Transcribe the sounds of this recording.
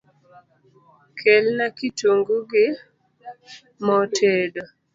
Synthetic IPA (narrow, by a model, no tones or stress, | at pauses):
kʰelnakitoŋɡuɡɪ | mɔtʰedo